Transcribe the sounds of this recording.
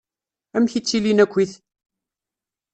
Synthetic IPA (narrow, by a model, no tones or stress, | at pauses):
æmçit͡sːilinækʷːiθ